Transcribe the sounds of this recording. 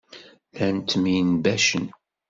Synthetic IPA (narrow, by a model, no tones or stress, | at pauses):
lænt̪minbæʃən